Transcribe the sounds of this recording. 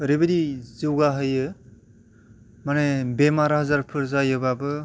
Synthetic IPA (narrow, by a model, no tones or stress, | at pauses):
ɾibɯdiziwɡaɦɯjɯ | manebemaɾahɐzaɾpʰɯɾzajɯbabɯ